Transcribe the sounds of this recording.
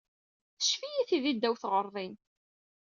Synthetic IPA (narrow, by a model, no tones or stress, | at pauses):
θə̥ʃfijiθiðid̪ːæwθʁəɾˤðˤin